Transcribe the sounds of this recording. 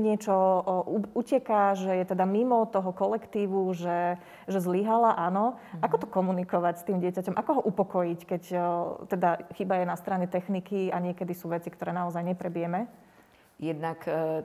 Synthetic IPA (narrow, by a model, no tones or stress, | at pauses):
ɲɪɛt͡ʃɔuucɛkaʒɛjɛt̪ɛd̪amimɔt̪ɔɦɔkɔlɛkt̪iːʋuʒɛ | ʒɛzliɦalaʔanɔakɔt̪ɔkɔmunikɔʋacst̪iːmɟɪɛcacɔmʔakɔɦɔʔupɔkɔjickɛct̪ɛd̪axibajɛnast̪ɾaɲɛt̪ɛxnikiaɲɪɛkɛd̪isuːʋɛt͡sikt̪ɔɾɛːnaɔzajɲɛpɾɛbijɛmɛ | jɛd̪nak